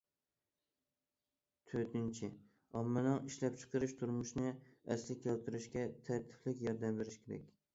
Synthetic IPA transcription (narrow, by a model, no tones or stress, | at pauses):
t̪ʰɵɾt̪ɪnt͡ʃʰɪ | ɒmːalɒŋɪʃlap̚t͡ʃʰɨ̥qʰɨɾɪʃt̪ʰʊɾmʊʃnɪa̰slɪkʲʰːɒlˠt̪ʰɪɾɪʃkʲat̪ʰaɾt̪ʰɪ̥flɪkʲjɒɾd̪amveɾɪʃkʲʰeɾa̰kʲ